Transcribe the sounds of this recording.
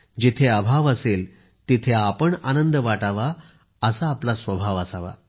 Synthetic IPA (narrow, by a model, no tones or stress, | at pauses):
d͡ʑit̪ʰeabʱaʋəsel | t̪it̪ʰeapəɳa̰nənd̪əʋaʈaʋa | əsaːplasʋəbʱaʋəsaʋa̰